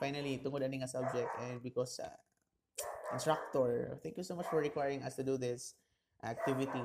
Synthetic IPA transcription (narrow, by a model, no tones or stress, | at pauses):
fajnɐlit̪ʊŋɔd̪ɐnɪŋasab̚d͡ʒɛk̚t̪ɛ̃nd̪̚bɪkɔsa̰ | kɪ̃nst̪ɹak̚t̪ɔɹt̪ɛ̃ŋkjusomat͡ʃfɔɹɹɪkwajɹɪ̃ŋɐst̪ʊd̪uðɪs | ʔak̚t̪ɪvɪt̪i